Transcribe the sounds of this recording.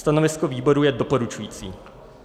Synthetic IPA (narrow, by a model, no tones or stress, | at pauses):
t̪anɔʋiskɔʋiːbɔɾujɛd̪ɔpɔɾut͡ʃujiːt͡sḭː